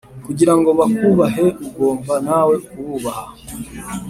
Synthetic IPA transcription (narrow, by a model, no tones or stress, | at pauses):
kuɟiɾaŋɡo̞βakuβaɦe̞uɡo̞ːmbanaːwe̞kuβuːβaha